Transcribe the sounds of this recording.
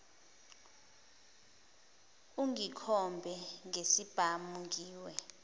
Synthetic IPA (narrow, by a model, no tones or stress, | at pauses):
uŋikʰɔmbʱɛŋesib̥ʱamuŋɡiːwɛ